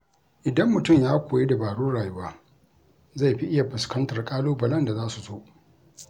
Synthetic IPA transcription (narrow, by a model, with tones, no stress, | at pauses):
ʔɪ˨dɐ˦mːʊ˨tʊ˦˨mjaː˦kʷoː˨je˦da˨baː˨ɽuː˦ɽaː˨ju˦waː˦ | za˦˨jɸi˦ʔɪ˦ja˨ɸɪ˨skɐ˦ntɐ˨rkʼaː˦loː˦bɐ˨lɐ˦nda˨zaː˦su˨zoː˦ʔ